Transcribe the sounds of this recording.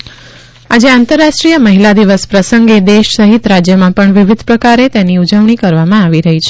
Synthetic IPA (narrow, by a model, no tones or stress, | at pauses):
ad͡ʒeãnt̪əɾːaʃʈɾijəməɦilad̪iʋəspɾəsəŋɡed̪eʃsəɦit̪ɾad͡ʒjəmãpəɳʋiʋid̪ʱpɾəkaɾet̪eniud͡ʒəʋɳikəɾʋamãaʋiɾəɦit͡ʃʰe